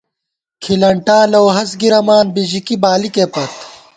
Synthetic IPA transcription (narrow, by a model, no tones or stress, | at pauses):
kʰilɐɳʈaːlɐwɦɐs̬ɡiɾɐmaːnbid͡ʑikibaːlikepɐt̪